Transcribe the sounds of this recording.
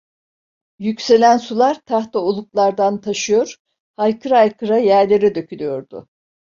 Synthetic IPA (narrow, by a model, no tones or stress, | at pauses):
jycʲse̞lʲænsulˠaɾt̪ʰaxt̪aolˠuklˠaɾd̪ant̪ʰaʃɯjo̞ɾ̥ | hajkʰɯɾaajkʰɯɾajæɾlʲe̞ɾɛd̪ø̞cʰylʲijo̞ɾd̪ʊ̰